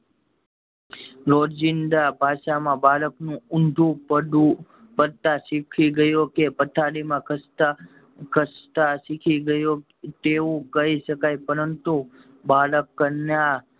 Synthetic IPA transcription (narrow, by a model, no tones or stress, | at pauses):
ɾoɾd͡ʒɪnd̪abʱaʃamãbaləknũʊnɖ̪ʱũpəu | pəɾt̪aʃikʰiɡəjokepət̪ʰaɽimãkət | kəst̪aʃikʰiɡəjo | t̪eʋũkəiʃəkajpəɾənt̪u | baləkːəɾnja